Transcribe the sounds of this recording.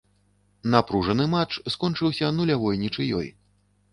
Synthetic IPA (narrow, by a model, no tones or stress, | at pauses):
napɾuʐɐnɨmat͡ʂskɔnt͡ʂɨwsʲɐnulʲavɔjnʲit͡ʂɨjɔ̰j